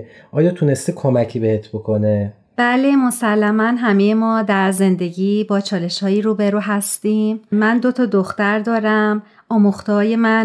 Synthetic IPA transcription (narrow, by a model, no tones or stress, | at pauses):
ʔɒːjɒːt̪ʰune̞st̪ekʰomæcʰiːbehet̪ʰbokʰo̞ne | b̥æːle̞mo̞sælːæmænɦæmejemɒːd̪æɾze̞nd̪e̞ɟiːbɒːt͡ʃʰɒːle̞ʃhɒːjiːɾuːbe̞ɾuːɦæst̪iːmmænd̪ot̪ʰɒːd̪oxt̪æɾd̪ɒːɾæm | ɒːmuxt̪ɒːje̞mæn